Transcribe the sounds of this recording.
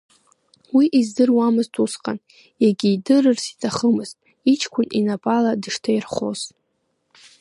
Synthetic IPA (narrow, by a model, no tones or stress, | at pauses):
wiʔizdɨrwamɨztʰʼusqʼa̰n | jaɡʲiːdɨrɨrsi̥tʰaχəmɨztʼ | it͡ʃʰkʷʰʊninapʼaladɨʂtʰajirχo̰z